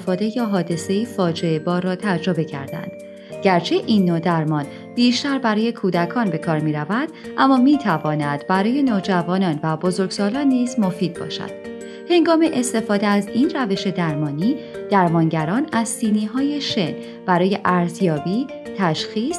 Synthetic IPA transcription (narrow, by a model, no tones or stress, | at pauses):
fɒːd̪e̞jɒːɦɒːd̪e̞se̞ifɒːd͡ʒeebɒːɾːɒːt̪ʰæd͡ʒɾobe̞cʰæ̰ɾd̪æ̰nd̪̥ | ɟ̥æɾt͡ʃʰe̞ʔiːnːod̪æɾmɒn | b̥iːʃt̪æɾbæɾɒːje̞kʰuːd̪ækʰɒːnbe̞kʰɒːɾmiːɾævæd̪̥ʔæmːɒːmiːt̪ʰævɒːnæd̪̥bæɾɒːje̞noːd͡ʒævɒːnɒnvæbo̞zo̞ɾɡ̥sɒːlɒːnːiːzmo̞fiːd̪̥̚bɒ̰ːʃæ̰d̪̥ | he̞ŋɡɒːme̞ʔest̪e̞fɒːd̪eæziːnræve̞ʃe̞d̪æɾmɒːniːd̪̥æɾmɒnɟæɾɒːnæzsiːniːɦɒːje̞ʃen | b̥æɾɒːje̞ʔæɾzjɒːbiː | t̪ʰæʃxiːs